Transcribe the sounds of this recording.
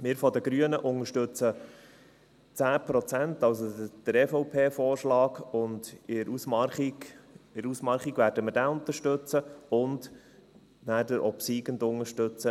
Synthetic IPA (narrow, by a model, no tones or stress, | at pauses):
mɪːɾfɔdəɡɾyənəʔʊŋəʃtɵt͡sə | t͡sæːpɾɔt͡sæntɑws̬od̪̥əɾɛfɔʊpʰeːfɔːɾʃlɑːɡʊndɪɾusmɑiɪɾusmɑlχiɡʋæːɾdəməɾdæːʊnt̪əʃtɵt͡səʊnd | næːdəɾʔɔpsiɡəndʊŋəʃtɵt͡sə